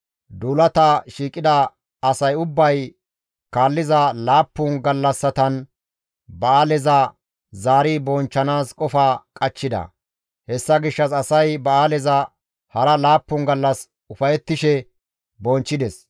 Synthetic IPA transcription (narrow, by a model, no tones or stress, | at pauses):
d̪uːlɐt̪ɐʃiːkʼɪd̪ɐ | ɐsɐjʊbːɐj | kaːlːɪzɐlaːpːʊnɡɐlːɐsːɐt̪ɐn | bɐaːlɛzɐ | zaːɾibɔnt͡ʃːɐnaːskʼɔfaːkʼɐt͡ʃːɪd̪ɐ̰ | hɛsːɐɡɪʃːɐsɐsɐjbɐaːlɛzɐ | hɐɾɐlaːpːʊnɡɐlːɐs | ʊfɐjɛt̪ːɪʃɛ | bɔnt͡ʃːɪd̪ɛs